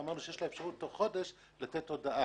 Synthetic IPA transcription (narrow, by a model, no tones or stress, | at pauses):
amaʁnuʃejeʃlaefʃaʁutoχo̞d̪e̞ʃ | lat̪et̪ːo̞d̪aʔa